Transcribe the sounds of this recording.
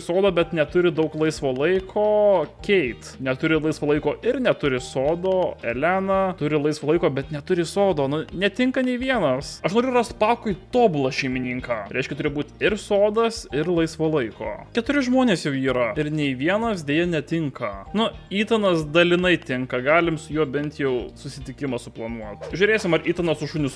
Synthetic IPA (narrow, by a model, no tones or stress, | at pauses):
soːd̪oːbʲɛt̪nʲɛt̪ʊɾʲɪd̪ɐʊklˠɐɪsʋoːlˠɐɪkʰoːkʲɛɪt̪nʲɛt̪ʊɾʲɪlˠɐɪsʋoːlˠɐɪkoːʔɪrnʲɛt̪ʊɾʲɪsoːd̪oːɛlʲæːnɐt̪ʊɾʲɪlˠɐɪsʋoːlˠɐɪkoːbʲɛt̪nʲɛt̪ʊɾʲɪsoːd̪oːnʊnʲɛt̪ʲɪŋkɐnʲɛɪʋʲiɛnɐsɐʃnoːɾʲɛʊrɾɑst̪pɑːkʊjt̪oːbʊlˠɐʃʲɛɪmʲɪnʲiːŋkɑːɾʲɛɪʃʲkʲɛt̪ʊɾʲɪbuːt̪ʲɪrsoːd̪ɐsɪrlˠɐɪsʋoːlˠɐɪko̰ːkʲɛt̪ʊɾʲɪʒmoːnʲeːsjɛʊiːɾɐɪrnʲɛɪʋʲiɛnɐsd̪ʲeːjɛnʲɛt̪ʲɪŋkɐnʊiːt̪ɐnɐsd̪ɐlʲɪnɐɪt̪ʲɪŋkɐɡɑːlʲɪmsʊjuːbʲɛnʲt̪jɛʊsʊsʲɪt̪ʲɪkʲɪmɐsʊplˠɐnuɔt̪ʒʲʊɾʲeːsʲɪmɐrʔiːt̪ɐnɐsʊʃʊnʲʊs